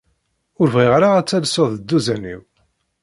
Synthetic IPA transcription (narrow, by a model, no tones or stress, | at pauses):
ʊɾvʁɪʁɾaʁæt͡sːælsoðəd̪ːuzænḭw